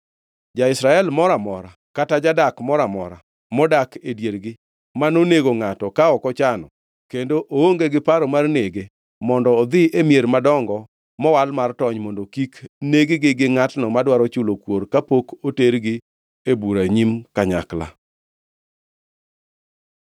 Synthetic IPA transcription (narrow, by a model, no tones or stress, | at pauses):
d͡ʒaɪsɾaɛlmɔɾamɔɾa | katad͡ʒadakmɔɾamɔɾa | mɔdakedjeɾɡɪ | manoneɡoŋatɔkaɔkɔt͡ʃanɔ | kendoʔooŋɡeɡɪpaɾɔmarneɡe | mɔndɔːd̪ɪʔemjeɾmadɔŋɡɔ | mɔwalmartɔɲmɔndokikneɡeɡɪɡɪŋatnɔmadwaɾɔt͡ʃʊlokwoɾkapokoteɾɡɪ | ebuɾaɲimkaɲa̰kla̰